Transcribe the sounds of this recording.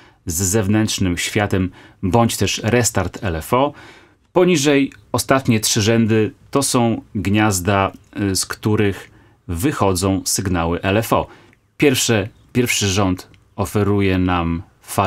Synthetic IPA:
zːɛvnɛntʂnɘmɕfʲjat̪ɛmbɔɲt͡ɕt̪ɛʂɾɛst̪aɾt̪ʰɛlɛfɔ | pɔɲiʐɛjɔst̪at̪ɲɛtʂɘʐɛnd̪ɘt̪ɔsɔ̃w̃ɡɲazd̪askt̪uɾɘx | vɘxɔd̪zɔ̃w̃sɘɡnawɘʔɛlɛfɔ | pʲjɛɾfʂɛ | pʲjɛɾfʂɘʐɔnt̪ | ɔfɛɾujɛnam | fa

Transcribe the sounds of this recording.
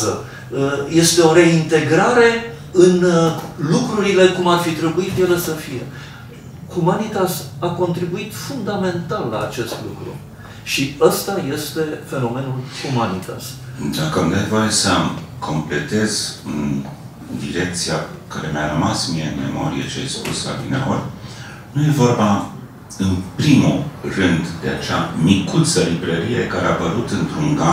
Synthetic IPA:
ə | je̞st̪e̞o̞ɾe̞int̪e̞ɡɾaɾe̞ | ɨnlukɾuɾile̞kumarfit̪ɾe̞buit̪je̞le̞səfije̞̰ | humanit̪asako̞nt̪ɾibuit̪fund̪ame̞nt̪alːa̰ːt͡ʃe̞st̪lṵkɾṵ | ʃiəst̪aje̞st̪e̞fe̞no̞me̞nulhumanit̪a̰s | d̪akəmnd̪et̪vojesəmkʰo̞mple̞t̪e̞zɨn | d̪ḭɾe̞k̚t̪sijakaɾe̞mjaɾəmasmijenme̞̰mo̞̰ɾḭjeʃa̰jspusla̰d̪inea̰o̰rʲ | nuje̞vo̞rba | ɨnpɾimurɨnd̪d̪e̞a̰t͡ʃamikut̪səlibɾəɾijekaɾeapəɾut̪ɨnt̪ɾuŋɡa

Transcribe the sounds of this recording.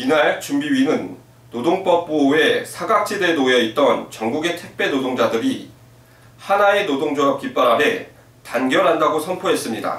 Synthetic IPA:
inaɭt͡ɕumbiɥinɯnː | odoŋp͈ʌp̚p͈ue̞sʰaɡak̚t͡ɕ͈ide̞noʌit̚t͈ʌnt͡ɕʌŋɡuɡe̞tʰe̞k̚p͈e̞nodoŋd͡ʑadɯɾi | hanae̞nodoŋd͡ʑʌɾʌk͈ip͈aɾaɾe̞ | tanɡjʌɾnɦandaɡosʰʌnpʰoɦe̞s͈ɯmɲida̰

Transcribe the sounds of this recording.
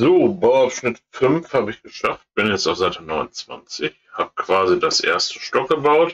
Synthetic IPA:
zoːbaʊapʃnɪtfʏnfhaːbəɪçɡ̥əʃaft̚b̥ɪnjɛt͡staʊfz̥aɪtʰənɔʏnnt͡sv̥a̰nt͡sɪç | haːbəkv̥aːzidasʔḛːɐstə̥ʃtɔk̚ɡ̥əbaʊt

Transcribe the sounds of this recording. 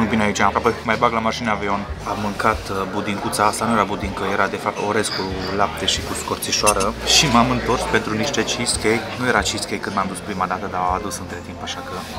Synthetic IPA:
uvineait͡ʃamapɾapemajbaɡlamard͡ʒineaveo̞namːɨŋkat̪bud̪iŋkut̪saast̪anujeɾabud̪iŋkəje̞ɾad̪e̞fap̚t̪o̞ɾe̞skulap̚t̪e̞ʃikuskort̪siʃoaɾəʃimamɨnt̪o̞rspe̞nt̪ɾuniʃt̪e̞t͡ʃiskejnuje̞ɾat͡ʃiskejkɨnd̪mjamd̪uspɾimad̪at̪əd̪aad̪usɨnt̪ɾe̞t̪impaʃakə

